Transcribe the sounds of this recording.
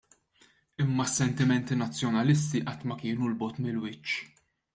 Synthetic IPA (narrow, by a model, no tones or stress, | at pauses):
ɪmːɐsːɛnt̪ɪmɛnt̪inɐt͡sːjɔnɐlɪst̪iʔɐt̪ːmɐkɪːnulbɔt̪mɪlwɪt͡ʃː